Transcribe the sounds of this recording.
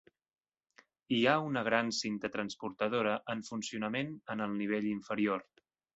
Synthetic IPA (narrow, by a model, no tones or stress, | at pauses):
iaunəɣ̞ɾansint̪ət̪ɾənspuɾt̪əð̞oɾəʔəɱfunsiunəmenənəlˠniβ̞eʎiɱfəɾior